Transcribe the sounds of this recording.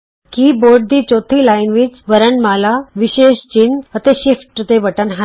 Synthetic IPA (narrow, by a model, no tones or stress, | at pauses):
kiboɾɖ̚d̪iːt͡ɕot̪ʰiːlainʋiːt͡sʋəɾəɳmalaʋiɕeɕt͡ɕinət̪eɕifʈt̪eʋəʈənɦa